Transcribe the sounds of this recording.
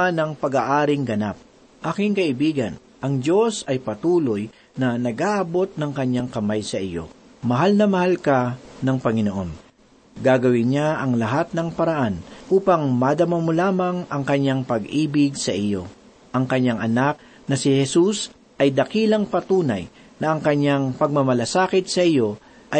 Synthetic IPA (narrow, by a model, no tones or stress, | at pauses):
nɐŋpɐɡaʔaːɾɪŋɡɐnap̚ | ʔaːkɪŋkɐɪbiːɡɐn | ʔɐŋd͡ʒo̞sɐjpɐt̪uːlo̞j | nɐnɐɡʔaʔɐbo̞t̪̚nɐŋkɐɲːaŋkɐmajsɐʔijo̞̰ | mɐɦalnɐmɐhalkanɐŋpɐŋɪnoʔo̞n | ɡaɡɐwɪnɲaɐŋlɐɦat̪̚nɐŋpɐɾɐʔanʔuːpɐŋmad̪ɐmamolaːmɐŋʔɐŋkɐɲːaŋpɐɡʔiːbɪɡsɐʔijo̞ | ʔɐŋkɐɲːaŋʔɐnak̚ | nɐsɪhɛsus | ʔɐjd̪ɐkiːlɐŋpɐt̪uːnɐ̰j | nɐʔɐŋkɐɲːaŋpɐɡ̚mɐmɐlasaːkɪt̪̚sɐʔɪjo̞ | ʔɐj